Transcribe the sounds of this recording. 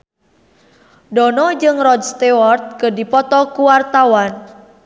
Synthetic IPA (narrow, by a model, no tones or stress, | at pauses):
dɔnɔd͡ʒɨŋrɔd͡ʒst̪iwɔrt̪̚kədipɔt̪ɔkuwart̪awan